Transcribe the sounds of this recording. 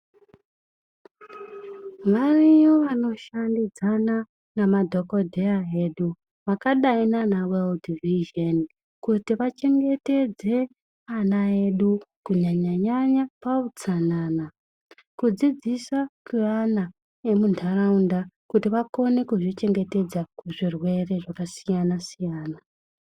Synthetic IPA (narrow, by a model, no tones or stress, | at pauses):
ʋarijoʋano̞ʃandid͡zana | namadʱokodʱeaeɗu | makaɗainanaweldiviʒeni | kutiʋat͡ʃe̞ŋɡe̞te̞d͡ze̞ | anae̞ɗukuɲaɲaɲaɲapaut͡sanaːna | kud͡zid͡zisakuana | emundʰʱaraundakutiʋako̞ne̞kuʐit͡ʃe̞ŋɡe̞te̞d͡zakuʐirwe̞re̞ʐakasijanasijaːna